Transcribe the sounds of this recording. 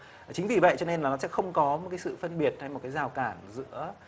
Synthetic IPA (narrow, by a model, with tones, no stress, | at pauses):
t͡ɕï˨˦ŋ̟vi˨˩və̰˧˨jt͡ɕɔ˧ne˧nlaː˨˩nɔ˨˦sɛ̰˧˥xə˧wŋ͡mkɔ˨˦mo˨˩t̚kaː˨˦jsɨ̰˧˨fə˧nɓi˨˩ət̚ha˧jmo˨˩t̚kaː˨˦zaː˨˩wkaː˧˩nzɨ̰˧˥ə